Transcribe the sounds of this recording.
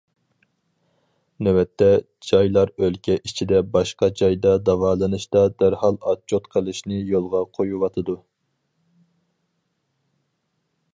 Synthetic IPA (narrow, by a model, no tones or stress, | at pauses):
newɛt̪ʰːɛ | d͡ʒɑjlˠɑɾølkʲɛʔit͡ʃʰid̪ɛbɑʃqɑd͡ʒɑjd̪ɑd̪ɑwɑːlˠɨnɨʃt̪ɑd̪æɾhɑlˠɑt͡ʃʰːot̪qʰəlˠɨʃnɪjolˠʁɑqʰojuwɑt̪ʰɨd̪u